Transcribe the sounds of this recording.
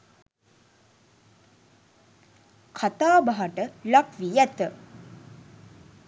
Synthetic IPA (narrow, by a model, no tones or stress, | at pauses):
kʰat̪aːbaɦaʈəlakʋijæt̪ə